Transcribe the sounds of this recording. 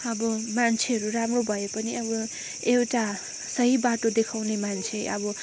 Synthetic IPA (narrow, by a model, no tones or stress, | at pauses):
ʌbʌmant͡sʰeɦʌɾuɾamrobʱʌjepʌniʌbʌ | ewʈa | sʌɦibaʈod̪ekʰawnemant͡sʰeʌ̰bʌ